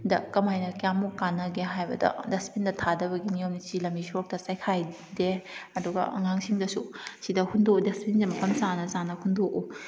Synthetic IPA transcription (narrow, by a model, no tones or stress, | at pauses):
dɐkɐmajnɐkjamukːanːɐɡeɦajbɐdɐ̰despindɐtʰadɐbɐɡinijomnit͡ʃilɐmisok̚tɐsajkʰaj | deɐduɡɐ̰ɐ̰ŋaŋsiŋdɐsusidɐhundodespinzimɐpɐmsanɐzanɐhundoʔu